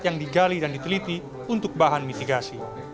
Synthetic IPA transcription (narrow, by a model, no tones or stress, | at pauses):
t̪jaŋdiɡalidandit̪əlit̪i | unt̪ʊk̚baɦanmit̪iɡasi